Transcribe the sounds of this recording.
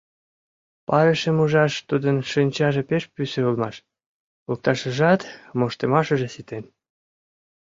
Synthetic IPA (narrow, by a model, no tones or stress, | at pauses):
pɑɾeʃəmuʒɑʃt̪ud̪ənʃinʲt͡ɕɑʒepeʃpysøulmɑʃ | ok̚t̪ɑʃəʒɑt̪moʃt̪emɑʃə̆ʒesit̪en